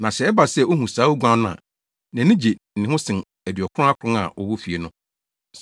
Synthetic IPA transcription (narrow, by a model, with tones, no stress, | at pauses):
nã˨ɕɛ˨ɛ˦ba˨sɛ˦˨o˦hũ˨saː˨˦u˦ɡʷã˦nʊ̃˦ã̰˨ | næ̃˨nĩ˦d͡ʑe˨n̩˨nɪ̃˨ɦʊ̃˦sɪ̃˨n | æ˨dɥɔ˨kʰʊ˦ʊ̃˦a˦kʰʊ˨ɾʊ̃˦a̰˨ʔɔ̰˨wʊ˦fi˨e˨nʊ̃˦